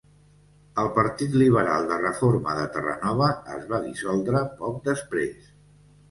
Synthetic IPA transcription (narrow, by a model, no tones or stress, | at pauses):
əlˠpəɾt̪it̪liβ̞əɾa̰lˠd̪ərəfoɾməðət̪ərə̰nɔβ̞əəzβaðisɔlˠd̪ɾəpɔk̚d̪əspɾes